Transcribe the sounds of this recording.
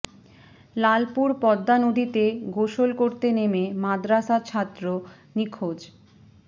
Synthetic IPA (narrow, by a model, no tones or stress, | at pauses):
lalpuɾpɔd̪ːanod̪ʱit̪eɡoʃolkoɾt̪enememad̪ɾasat͡ɕʰat̪ːɾo | nikʰod͡ʑ